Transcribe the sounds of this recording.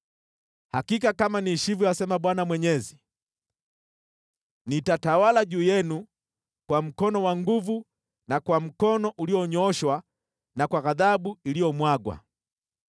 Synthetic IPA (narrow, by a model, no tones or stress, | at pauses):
hakikakamaniʃiviasɛmaɓwanamwɛɲɛzi | nitatawalaʄuːjɛnu | kwam̩kɔnɔwaŋɡuvu | nakwam̩kɔnɔʔuliɔɲɔɔʃwa | nakwaɣaðaɓuilijɔmwaɡwa̰